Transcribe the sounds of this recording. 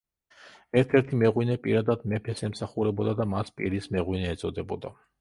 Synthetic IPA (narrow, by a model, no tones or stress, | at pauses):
ɛɾt̪ʰɛɾt̪ʰimɛʁwinɛpʼiɾad̪ad̪mɛpʰɛsɛmsaχuɾɛbɔd̪ad̪amaspʼiɾismɛʁwinɛːt̪sʼɔd̪ɛbɔd̪a